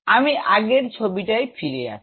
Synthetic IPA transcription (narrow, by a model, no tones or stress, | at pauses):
amiʔaɡeɾt͡ɕʰobiʈajfʰiɾea̰t͡ʃʰi̥